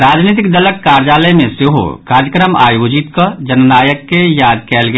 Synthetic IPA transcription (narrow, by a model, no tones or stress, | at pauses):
ɾaːd͡ʒniːt̪̬ɪkd̪ɐləkːaːɾd͡ʒaːləmẽseɦo̰kaːɾd͡ʒəkɾəma̰ːjoːd͡ʒɪt̪kɐd͡ʒɐnnaːjəkːejaːd̪kɛːlɡ